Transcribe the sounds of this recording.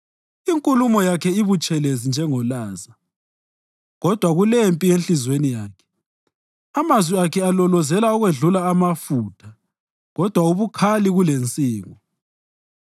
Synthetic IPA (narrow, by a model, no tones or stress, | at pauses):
iŋkʼulumɔjakʰɛiβut͡ʃʼɛlezind͡ʒʱɛŋɔlaːza | ɣɔd̥ʱwaɣulempʼienɬizwenijaːkʰɛ̥ | amazwiakʰɛalɔlɔzɛlaɔɣweɮulaːmafutʰa | ɣɔd̥ʱwauβukʰaliɣulent͡sʼiːŋɔ